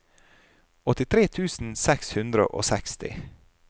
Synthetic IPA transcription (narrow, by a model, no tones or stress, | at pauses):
ɔt̪ɪt̪ʰɾeːt̪ʰʉːsn̩sɛkshʉnd̪ɾə̰ʔo̰ːsɛkst̪ɪ̰